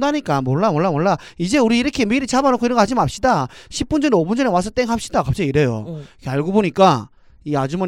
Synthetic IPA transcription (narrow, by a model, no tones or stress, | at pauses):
daɲik͈amwʌɭːamwʌɭːamwʌɭːa | id͡ʑe̞uɾiːɾʌkʰe̞miɾit͡ɕʰabanokʰoiɾʌŋɡʌhad͡ʑimɯnap̚ɕ͈idaɕʰip̚p͈und͡ʑʌneobund͡ʑʌnewas̬ʰʌt͈eŋɦap̚ɕ͈idakap̚t͡ɕ͈aiɾejo̰ikʰeaɭɡoboɲik͈a | iad͡ʑumʌ